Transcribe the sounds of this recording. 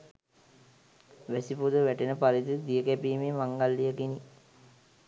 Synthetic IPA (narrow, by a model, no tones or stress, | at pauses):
ʋæsipud̪əʋæʈenəpaɾid̪id̪ijəkæpiːmemaŋɡalːijəkini